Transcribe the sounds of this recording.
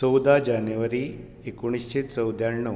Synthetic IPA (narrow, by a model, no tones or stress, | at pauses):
əwd̪ad͡ʑanjuʋəɾi | ekuɽ̃isɕet͡səwd̪ʱjaɳːə